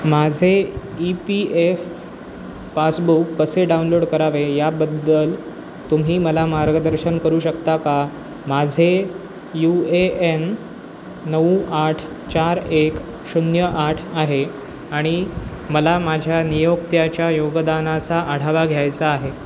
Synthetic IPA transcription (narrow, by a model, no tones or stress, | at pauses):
mad͡zʱeipiefː | asbukːəseɖaunloɽkəɾaʋejabəd̪ːəl | t̪um̤ʱiːməlamaɾɡəd̪əɾɕənkəɾuːɕəkt̪aka | mad͡zʱe | jueenː | əuʔaʈʰ | t͡ɕaɾek | ɕunjəʔaʈʰaɦe | aɽ̃i | məlamad͡ʑʱjanijokt̪jat͡ɕjajoɡd̪anat͡saʔəɽ̤aʋaɡʱjajt͡saːɦe